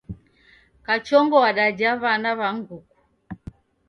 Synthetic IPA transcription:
kat͡ʃɔŋɡɔwaɗad͡ʒaβanaβaŋɡuku̥

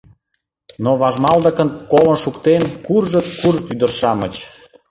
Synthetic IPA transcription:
noβɑʒmɑld̪ə̆kənkolənʃukt̪enkurʒət̪kurt̪yd̪ərʃɑmə̰t͡ɕ

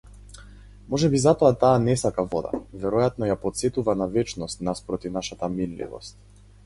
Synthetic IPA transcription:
mɔʒɛbizat̪ɔat̪aːnɛsakavɔd̪a̰vɛɾɔjat̪nɔjapɔt̪sɛt̪uvanavɛt͡ʃnɔst̪naspɾɔt̪ifnaʃat̪aminlḭvɔ̰st̪̚

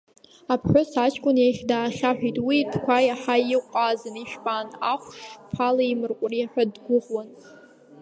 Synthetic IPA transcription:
apʰħʷᶣʊsat͡ʃʰʼkʷʼʊnjeχʲdaːχʲaħᶣʷitʼwidʰkʷʰajaħajɪqʷʼaːzɨniʃᶣpʼaːnaχʷʂʃpʰalaimɨrqʷʼriaħʷᶣadɡʷʊʁwan

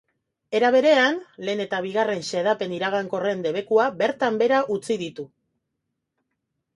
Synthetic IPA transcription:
e̞ɾaβ̞e̞ɾe̞anle̞ːne̞t̪aβ̞iɣare̞nseð̞ape̞niɾaɣ̞aŋko̞re̞nd̪e̞β̞e̞kuabe̞ɾt̪ambe̞ɾaʔut͡siðit̪u

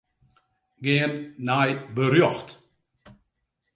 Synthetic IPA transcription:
ɡɪənːajbəɾjɔxt

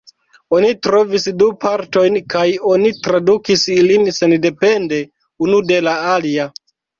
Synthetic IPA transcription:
o̞nitɾo̞visdupaɾto̞jnkajo̞nitɾadukisilinse̞nde̞pe̞nde̞ | unude̞laalia

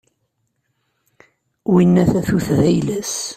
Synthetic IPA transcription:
winːæθæθuθðæjlæs

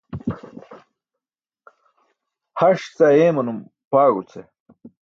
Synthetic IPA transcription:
hɐʂt͡sɐeːmɐnum | paːɡut͡sʰe

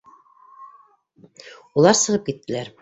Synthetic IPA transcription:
ulˠɑɾsɤ̆ʁɤp̚kit̪ːɘ̆læɾ

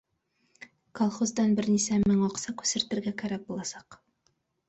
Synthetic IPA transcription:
kolˠχozd̪ɑnbɘɾnisæmɘŋɑqsɑkʉ̥sɘ̆ɾt̪ɘ̆ɾɡækæɾæk̚bulˠɑsɑq

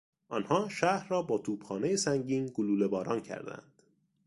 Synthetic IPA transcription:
ʔɒnhɒːʃæːhɾɾɒːbɒːt̪ʰuːbxɒːnejesæŋɟiːnɡoluːle̞bɒːɾɒːncʰæ̰ɾd̪æ̰nd̪̥

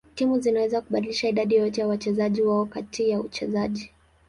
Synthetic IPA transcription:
timuzinawɛzakuɓaɗiliʃaiɗaɗijɔtɛjawat͡ʃɛzaʄiwaɔkatijaut͡ʃɛzaʄi

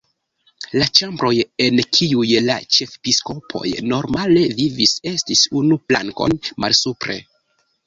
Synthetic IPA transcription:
lat͡ʃambɾo̞je̞nkʰiujla̰t͡ʃe̞fpisko̞pʰo̞̰jno̞ɾmale̞vivise̞stisunupla̰ŋko̞̰nma̰lsupɾe̞̰

